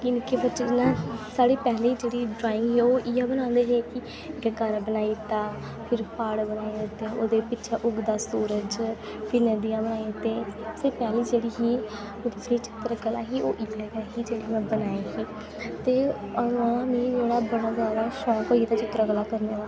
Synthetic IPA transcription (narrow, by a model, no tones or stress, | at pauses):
kɪnɪkeːbət͡ʃenãːsaːɽeːpɛːɦled͡ʒeːɽiːɖɾaːɪ̃ŋɡɦɛːoːʔiaːbənãːnd̪eːɦeːkɪ | ɡɛkaːɾbənaːiːt̪aː | pʰɪɾpaːɽbənaːed̪ɪt̪eʔoːd̪eːpɪʃʰaːʔʊɡd̪aːsuːɾəd͡ʒ | pɪɾnəd̪ijãːbənaːet̪eːseːpɛːliːd͡ʒeːɽiːɦiː | oːd̪iiːt͡ʃɪ̥t̪ɾaɡəlaːɦiːʔoːʔɪaɡaːɦiːd͡ʒeːɽiːmɛ̃ːbənaːeːɦiː | t̪eːəãːniːd͡ʒeːɽaːbənãːɡaːɾaːʃɔːkoːiːt̪at͡ʃɪt̪ːɾaɡəlːaːkəɾneːd̪aː